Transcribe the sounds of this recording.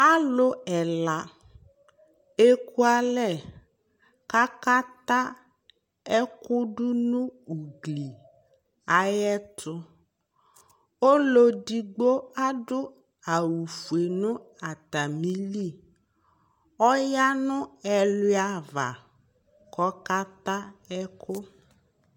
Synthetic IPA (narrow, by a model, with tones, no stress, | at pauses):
a˦lʊ˦ɛ˨la˨ | e˦ku˦a˦lɛ˦˨ | ka˦ka˦t̪a˦ | ɛ˦kʊ˦dʊ˦nʊ̃˦u˨ɡli˨ | a˨jɛ˦tʰʊ˦ | o˦lo˦di˨ɡ͡bo˦a˦ɖʊ˦ | a˨wu˨fu˨e˨nʊ̃˦a˨t̪a˨mĩ˦li˦˨ | ɔ˦ja˦nʊ̃˦ɛ˨lʊ˦a˨va̰˨ | kɔ˦ka˦t̪a˦ɛ˦kʰʊ˦